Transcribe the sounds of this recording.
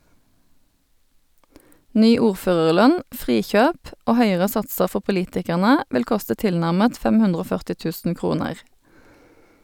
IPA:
ˈnyː ˈuːʁˌføːʁəʁˌlœn ˈfʁiːˌçøːp ˈoː ˈhœʏəʁə ˈsɑtsəʁ ˈfɔ pʊˈliːtɪkæʁnə ˈʋɪl ˈkʊstə ˈtɪlnæʁmət ˈfɛm ˈhʉndʁ ˈoː ˈfœʁtɪ ˈtʉːsn̩ ˈkʁuːnəʁ

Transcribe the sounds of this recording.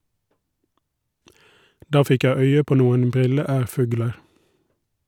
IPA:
ˈdɑː ˈfɪk ˈjæɪ ˈœʏə ˈpoː ˈnuːən ˈbʁɪləˌæːʁˌfʉːɡləɾ

